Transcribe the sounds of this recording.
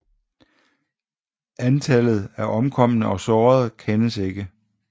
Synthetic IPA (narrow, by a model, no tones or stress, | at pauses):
ʔænt͡sʰælð̞̩ˠæɐʔɒ̽mkʰɒ̽m̰ənəʔɒ̽sɒːɐð̞ˠkʰenəse̝ɡ̥ə